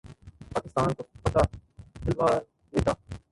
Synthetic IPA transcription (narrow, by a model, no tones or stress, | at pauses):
paːkɪst̪aːnkopɐt̪ad̪ɪlʋaː | d̪eːt̪aː